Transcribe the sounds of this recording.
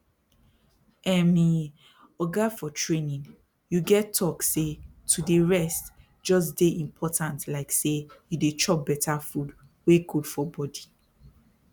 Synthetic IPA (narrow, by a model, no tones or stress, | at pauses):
ɛmi | ɔɡafɔtʰɹẽnĩŋ | juɡɛtʰːɔksetudeɹɛst | d͡ʒɔs̬deʔĩmpʰɔtʰãntlaɪksejudet͡ʃɔp̚bɛtʰafud | weɡud̥fɔbɔdi